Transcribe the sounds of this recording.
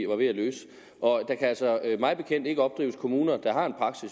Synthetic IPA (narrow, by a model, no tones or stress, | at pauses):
ʋɑ̈ʋe̝ælø̰ːs | ʔɒ̽d̥ɑ̈kʰæælsɒmɑ̈ɪb̥e̝kʰen̰d̥e̝ɡ̥əɒ̽b̥̚d̥ʁḭːʊəskʰo̝muːnɐd̥ɑ̈ɦɑ̈e̝npʰʁɑ̈ɡ̥sis